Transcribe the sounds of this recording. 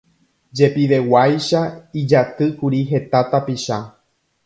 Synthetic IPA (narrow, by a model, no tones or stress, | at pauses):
d͡ʒe̞piʋe̞wajʃaid͡ʒat̪ɨkuɾiɦe̞t̪at̪apiʃa